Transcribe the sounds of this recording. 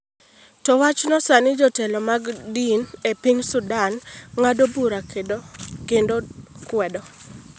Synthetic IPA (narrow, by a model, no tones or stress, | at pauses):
tɔwat͡ʃnɔsanɪd͡ʒɔtɛlɔmaɡdinepiŋsʊdanŋadobuɾakedokendokwɛdɔ